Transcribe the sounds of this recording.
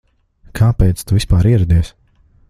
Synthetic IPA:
kʰaːpɛjt̪st̪uvispaːɾiɛɾɛd̪iɛs

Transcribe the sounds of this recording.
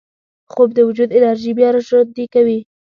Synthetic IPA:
xobd̪əwʊd͡ʒud̪ɪnaɾʒibjɑɾaʃod̪ekawi

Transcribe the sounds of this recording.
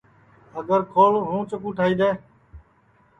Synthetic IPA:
əɡəɾkʰoːlɦũːt͡ʃəkũːʈʰaːiːd̪eː

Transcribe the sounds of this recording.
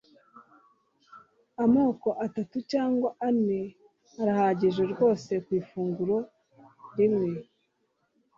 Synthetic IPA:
amoːko̞ʔatatucaːŋɡwaʔane | aɾahaːɟeʒe̞ɾɡo̞ːse̞kwiːfuːŋɡuɾo̞ | ɾimŋe

